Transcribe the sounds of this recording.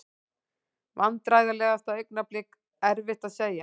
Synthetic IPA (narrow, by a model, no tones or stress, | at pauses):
vant̪ɾaːjɣalɛːɣast̪awœɥknaplɪk | ɛɾvɪht̪aðseːja